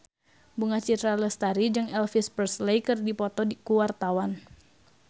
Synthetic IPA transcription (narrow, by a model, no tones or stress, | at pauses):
buŋat͡ʃit̪ɾaləst̪aɾid͡ʒɨŋɛlfispərslejkɨrdipɔt̪ɔkuwart̪awan